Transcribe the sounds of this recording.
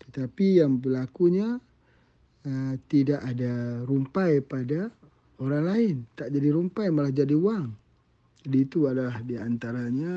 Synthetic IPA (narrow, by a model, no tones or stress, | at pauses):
t̪ə̥t̪apijaŋbəlakuɲa | ət̪idaʔadaɾumpajpada | oɾaŋlaɪnt̪aʔd͡ʒadiɾumpajmalahd͡ʒadiuaŋ | d͡ʒadiːt̪uadalahdiant̪aɾaɲa